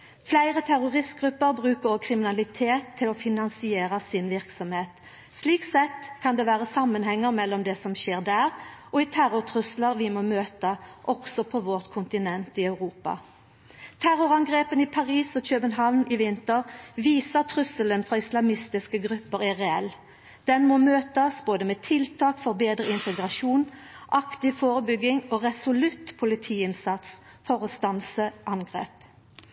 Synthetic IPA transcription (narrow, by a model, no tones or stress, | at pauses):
flæɪʁət̪ʰæʁʊʁɪst̪̚ɡʁʉpːəɾbʁʉːkəɾɔkʰɾɪmɪnɑlɪt̪ʰeːt̪ʰːɪlɔfɪnɑnsɪeːɾəsɪnʋɪʁksɔmheːt̪ | sliːksɛt̪kʰɑnd̪ɛʋæːʁəsɑmːənhɛŋːəɾmɛlːɔmd̪ɛsɔmʃeːʁd̪æːʁʔɔɪt̪ʰæɾʊʁt̪ʰʁʉsləʁʋɪmoːmøːt̪əʔɔɡsɔpʰɔʋɔʁt̪kʰʊnt̪ɪnɛnt̪ɪœʉʁuːpɑ̰ | t̪ʰæɾʊʁɑŋɡʁeːpənɪpʰɑʁiːsɔc͡çøːbənɦɑʋnɪʋɪnt̪əʁʋiːsəʁt̪ʰʁʉsələnfʁɑɪslɑmɪst̪ɪskəɡʁʉpːəʁæʁɛɛl | d̪̥ɛnmoːmøːt̪əsboːd̪əmeːt̪ʰɪlt̪ʰɑːkfɔʁbeːd̪ʁəɪnt̪əɡʁɑʂuːnʔɑkt̪ɪfoːʁəbʏɡɪŋoːʁɛsʊlʉt̪pʰʊlɪt̪ʰiːɪnsɑt̪s | fɔʁɔst̪ɑnsəʔɑnɡʁḛːp